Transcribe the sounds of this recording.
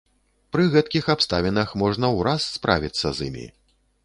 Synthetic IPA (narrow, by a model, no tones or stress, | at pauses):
pɾɨɣɛt̪̚kʲixapst̪avʲinɐxmɔʐnɐwɾasːpɾa̰vʲit̪sːɐzḭmʲḭ